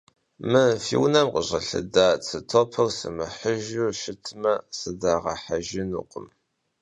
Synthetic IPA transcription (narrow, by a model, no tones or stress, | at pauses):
mɨfiwnɐmqəʑɐɬɨ̰daːt͡sʰɨtʰopʰɐwsɨmɨħəʒuʃɪtʰmɐsɨdaʁɐ̰ħaʒɪnṵqʷʼəm